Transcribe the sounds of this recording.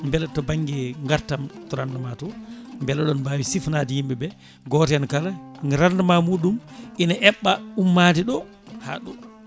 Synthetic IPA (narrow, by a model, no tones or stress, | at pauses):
mbɛlatɔbaŋɡɛŋɡaɾtamtɔɾandamatɔmbɛlaɗɔnbawisifnadijimbɛbɛ | ɡɔtɛankalaŋɾandamamuːɗumʔinaʔɛɓːaumːadiɗɔ | ha̰ɗɔ